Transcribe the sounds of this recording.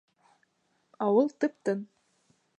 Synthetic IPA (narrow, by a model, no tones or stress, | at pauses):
ɑwɤlˠt̪ɤ̆p̚t̪ɤn